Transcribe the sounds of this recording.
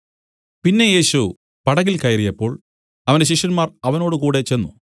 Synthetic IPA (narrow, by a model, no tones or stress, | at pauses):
pinːe̞je̞ːɕu | pɐɽɐɣilkɐjrijɐpːo̞ːɭ | ɐʋɐndeɕ̬iʂɐnmaːrɐʋɐno̞ːɽɨkuːɽe̞t͡ɕe̞nːu